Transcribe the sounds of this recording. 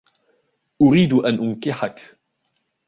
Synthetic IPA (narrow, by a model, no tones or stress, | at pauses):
ʔʊɾiːd̪ʔanʔʊnkɪħak